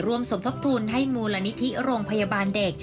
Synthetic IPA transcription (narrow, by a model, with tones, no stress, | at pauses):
ɾu˧əmso˩˦mt̪ʰo˦˥p̚t̪ʰuː˧nɦa˥˩jmuː˧la˧ni˦˥t̪ʰi˦˥ɾoː˧ŋpʰa˧ja˧baː˧nde˨˩k̚